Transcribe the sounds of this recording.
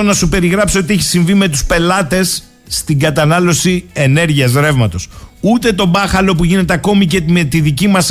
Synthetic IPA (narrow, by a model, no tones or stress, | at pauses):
onɐsupe̞ɾiɣɾɐpsiot̪ie̞çi̥siɱvime̞t̪uspe̞lɐt̪e̞sː | t̪iŋɡɐt̪ɐnɐlo̞sie̞ne̞ɾʝiɐzɾe̞vmɐt̪o̞sut̪e̞t̪o̞bɐxɐlo̞puʝinet̪e̞ɐko̞mice̞met̪iðicimɐs